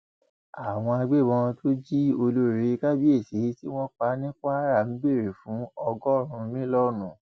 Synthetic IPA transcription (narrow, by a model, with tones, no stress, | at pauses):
a˨w̃ɔ̃˧a˧ɡ͡be˦˨bɔ̃˧tʰo˦d͡ʒi˦o˧lo˦ɾe˨˦ka˦bi˦e˦˨se˨˦ti˦w̃ɔ̃˦k͡pa˧˦nĩ˦k͡pa˦ɾa˦˨m̩˦be˦˨ɾe˨fũ˨˦ɔ˧ɡɔ˦˨ɾ̃ũ˨˧mĩ˦lɔ˦nũ˦˨